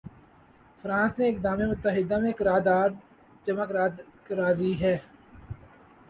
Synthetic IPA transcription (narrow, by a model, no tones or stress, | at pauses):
fɾãːsneɪkd̪aːmemʊt̪ːəɦɪd̪amẽkɪɾaːɾd̪aːɾ | d͡ʒɐmakɾaːkəɾaːd̪iɦɛː